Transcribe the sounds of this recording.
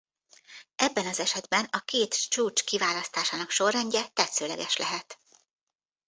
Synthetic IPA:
ʔɛbːɛnɒzɛʃɛd̪bɛnɒkeːt̪t͡ʃuːt͡ʃkivaːlɒst̪aːʃaːnɒkʃo̞rːɛɲɟɛt̪ɛt̪søːlɛ̰ɡɛʃlɛɦɛt̪

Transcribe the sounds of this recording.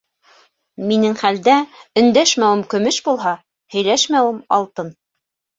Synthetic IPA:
minɘŋχæld̪æɵ̆nd̪æʃmæwɘmkɵ̆mɘʃbulˠɦɑ | hɵ̆jlæʃmæwɘmɑ̰lˠt̪ɤn

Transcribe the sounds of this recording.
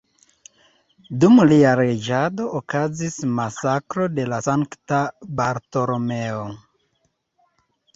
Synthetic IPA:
dumliaɾed͡ʒado̞ʔokazismasakɾo̞de̞lasaŋktabaɾto̞ɾomeo

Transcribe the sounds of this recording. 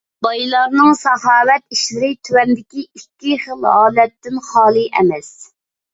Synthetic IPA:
b̥ɑjlˠɑɾnɨŋsɑhɑːwɛt̪iʃlɪɾɪt̪ʰywɛnd̪ɪkʲiikʲːiχəlˠɦɑːlɛt̪ːɪnχɑːlˠɨʔɛ̰mɛs

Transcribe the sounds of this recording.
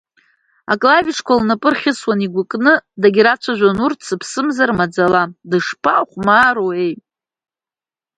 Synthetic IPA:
a̰kʼlaviʂkʷʰalnapʼɨrχʲɪswaniɡʷʊkʼnɨdaɡʲiɾat͡ʃʷʰaʒᶣʷanurtsʰɨpʰsɨmzarmad͡zaladɨʂpʰaχʷmaːɾoejtʼ

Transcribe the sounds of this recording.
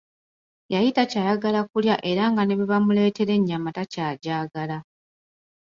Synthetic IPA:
jajitacajaɡalakuljaʔe̞ɾaŋɡane̞βiβamule̞ːte̞ɾe̞ɲːamatacaːɟaːɡala

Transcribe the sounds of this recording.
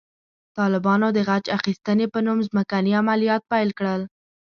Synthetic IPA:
t̪ɑlɪbɑnod̪əɣat͡ʃaxist̪ənepənumzməkaniamalijɑt̪̚pajlkɽəl

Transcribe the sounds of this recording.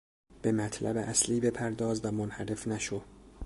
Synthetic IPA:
b̥e̞mæt̪ʰlæ̰beʔæsliːbe̞pʰæɾd̪ɒːzvæmonhæɾe̞fnæʃod̪̥

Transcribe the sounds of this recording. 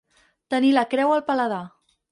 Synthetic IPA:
t̪əniləkɾɛwəlˠpələða

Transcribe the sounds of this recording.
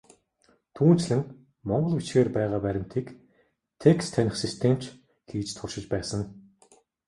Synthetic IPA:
t̪ʰuːnt͡ɕɮɘ̆ŋ | mɔɴɢɞ̆ɮut͡ɕɡeːrpæːʁaːpæɾʲɪ̆m̥t̪ʰiːk | t̪ʰekst̪ʰːænʲɪ̆χsist̪ʰem̥t͡ɕ | ɡ̥iːt͡ɕt̪ʰʊʃɪ̆t͡ɕpæːsə̆ŋ

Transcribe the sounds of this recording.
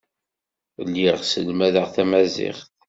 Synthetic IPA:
lːiʁsəlmæðəʁθæmæzḭχθ

